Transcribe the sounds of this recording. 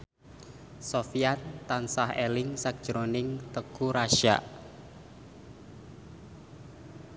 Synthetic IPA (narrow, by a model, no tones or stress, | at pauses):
sofijat̪ːansahelɪŋsak̚d̥ʒ̥ɾonɪŋt̪əkuɾaʃa̰ʔ